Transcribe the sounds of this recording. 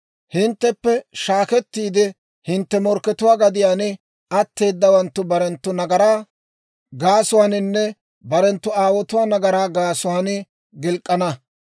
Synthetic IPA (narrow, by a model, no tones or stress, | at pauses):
hɪnt̪ːɛpːɛʃaːkɛt̪ːiːd̪ɪ | hɪnt̪ːɛmɔɾkːɛt̪ʊwaːɡɐd̪ɪjaːnɪ | ɐt̪ːe̞ːd̪ːɐwɐnt̪ːʊbɐɾɛnt̪ːʊnɐɡɐɾaː | ɡaːsʊwaːnɪnːɛ | bɐɾɛnt̪ːʊaːwɔt̪ʊwaːnɐɡɐɾaːɡaːsʊwaːnɪ | ɡɪlkʼːɐnɐ